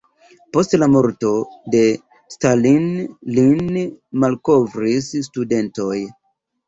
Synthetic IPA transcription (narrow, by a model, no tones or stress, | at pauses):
po̞stlamo̞ɾto̞de̞ | stalinlinmalko̞vɾisstude̞nto̞j